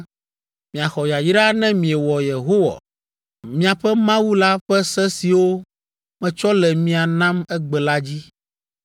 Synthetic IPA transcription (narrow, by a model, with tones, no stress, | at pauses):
mĩ˨a˨xɔ˨ja˨ji˦ɖa˦nɛ̃˦mĩ˨ɛ˨wɔ˨je˨ɦo˦wa̰˨ | mĩ˦a˨ɸɛ˦mã˦wu˦la˦ɸɛ˦sɛ˦si˨wo˦ | mɛ̃˨t͡ʃɔ˦lɛ˨mĩ˦a˨nã˦mɛ˦ɡ͡bɛ˨la˦d͡ʑi˦